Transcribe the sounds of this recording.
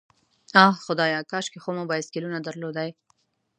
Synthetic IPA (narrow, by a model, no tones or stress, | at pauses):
ɑhxʊd̪ɑjɑkɑʃkexomobɑjɪskɪlunad̪aɾlod̪aj